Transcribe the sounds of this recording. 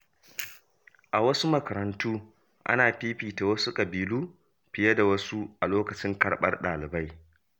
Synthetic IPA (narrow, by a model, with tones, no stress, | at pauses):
ʔa˨wɐ˦su˦mɐ˨kɐ˨ɾɐ˨ntʰuː˦ | ʔa̰˦naː˨ɸiː˦ɸiː˨ta˨wɐ˦su˦kʼɐ˨biː˨luː˦ | ɸɪ˨jɐ˦da˨wɐ˦su˦ʔa˨loː˦kɐ˨t͡ʃɪ˦ŋkɐ˨ɽɓɐ̰˦rɗaː˨lɪ˨ba˦j